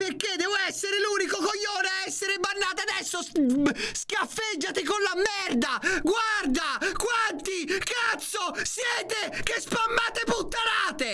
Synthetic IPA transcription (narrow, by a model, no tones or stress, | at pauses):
perked̪ɛːvoɛsːeɾɪluːnikokojːoːneaɛsːeɾebanːaːt̪ad̪ɛsːo | skafːed͡ʒːat̪ɪkonlamːɛrd̪aɡward̪akwant̪ikat̪sːosjɛːt̪ekespamːaːt̪eput̪ːalaːt̪e